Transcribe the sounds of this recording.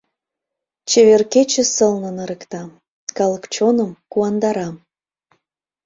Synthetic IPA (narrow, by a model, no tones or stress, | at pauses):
t͡ɕeβerket͡ɕĕsəlnɤ̆nə̆ɾəkt̪ɑ | kɑləkt͡ɕonəmkuɑnd̪ɑɾɑm